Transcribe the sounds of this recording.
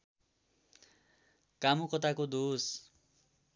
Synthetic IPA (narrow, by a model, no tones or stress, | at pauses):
kamukʌt̪̬akod̪os